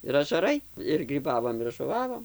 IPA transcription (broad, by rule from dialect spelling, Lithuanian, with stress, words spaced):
ɪr ɐʒɐˈrɐɪ ɪr ɡrʲiːˈbɑːʋoːm ɪr ʒʊˈʋɑːʋoːm